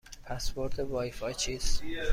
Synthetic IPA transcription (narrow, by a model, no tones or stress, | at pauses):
pʰæsboɾd̪evɒːjfɒjt͡ʃʰiːs